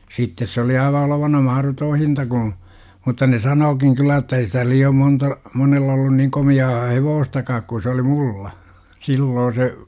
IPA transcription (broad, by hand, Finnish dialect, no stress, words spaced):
sitːes se oli ɑiʋɑ oloʋɑnɑ mɑhrotoː hintɑ ɡ̊ũː mutːɑ ne sɑnoːkiŋ kylːæ etːæ ei sitæ liːom montɑ monelː olːun niŋ komiɑː heʋoːstɑkɑːk ku sĕ oli mulːɑ silːoː se